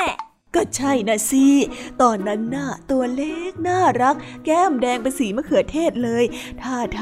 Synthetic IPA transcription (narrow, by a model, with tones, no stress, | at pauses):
kɔː˥˩t͡ɕʰa˥˩jna˦˥˩si˦˧˩t̪ɔː˧nːa˦˥nːa˥˩t̪u˧ɐleː˥˩k̚naː˥˩ɾa˦˥k̚ːɛː˥˩mdɛː˧ŋpa˧siː˩˦ma˧˥kʰɯ˨˩˦t̪ʰeː˥˩t̪̚lɤː˧jt̪ʰaː˥˩t̪ʰː